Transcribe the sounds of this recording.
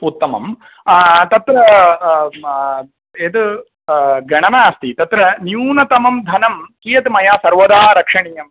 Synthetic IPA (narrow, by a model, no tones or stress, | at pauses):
put̪ːɐmɐ̰m | t̪ɐt̪ɾɐ | ed̪ɨ | ɡɐɳɐmaːst̪it̪ɐt̪ɾɐnjuːnɐt̪ɐmɐmd̪ʱɐnɐmkijɐt̪mɐjaːsɐɾʋɐd̪aːɾɐkʂɐɳiːjɐm